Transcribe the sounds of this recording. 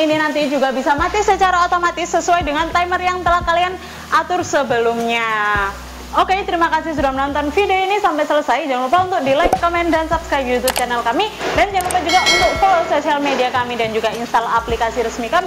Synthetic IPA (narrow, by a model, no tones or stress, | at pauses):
ininant̪id͡ʒuɡabisamat̪isət͡ʃaɾaot̪omat̪ɪsːəsuwajdəŋant̪ajmərjaŋt̪əlahkalian | ʔat̪ʊrsəbəlʊmɲa | oket̪əɾimakasɪhs̬udahmənɔnt̪ɔnfideoinisampasələsajd͡ʒaŋlupaunt̪ʊk̚dilajkːomɛndansapskɾajp̚jut̪up̚t͡ʃanɛlkamidand͡ʒaŋlupad͡ʒuɡaʔunt̪ʊk̚folososialmediakamidand͡ʒuɡainst̪alaplikasiɾəsmikami